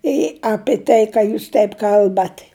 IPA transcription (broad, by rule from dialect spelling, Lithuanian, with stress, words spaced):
ɪ ˈɑːpʲɪ ˈtɐɪ ˈkɑː juːs ˈtʲɛɪp ˈkɐlˠbɐtʲ